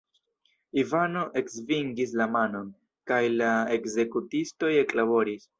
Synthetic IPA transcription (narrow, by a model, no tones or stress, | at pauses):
ivano̞ʔe̞ksviŋɡis̬lamano̞n | kajlae̞kze̞kutisto̞jeklabo̞ɾis